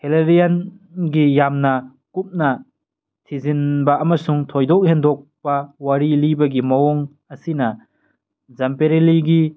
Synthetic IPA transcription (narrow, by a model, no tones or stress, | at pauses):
heleɾijan | ɡijamnɐ | kup̚nɐ | tʰizinbɐːmɐsuŋtʰojdɔk̚hendɔk̚pɐwaɾilibɐɡimɐɔŋ | ɐsinɐ | zampeɾeliɡi